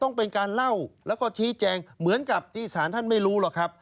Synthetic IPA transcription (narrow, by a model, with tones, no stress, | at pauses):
t̪ɔ˥˩ŋpe˧nkaː˧nla˥˩wlɛː˦˥wkɔː˥˩t͡ɕʰiː˦˥t͡ɕɛː˧ŋmɯ˩˦ənka˨˩p̚t̪ʰiː˥˩saː˩˦nt̪ʰa˥˩nma˥˩jɾuː˦˥lɔ˨˩kʰɾa˦˥p̚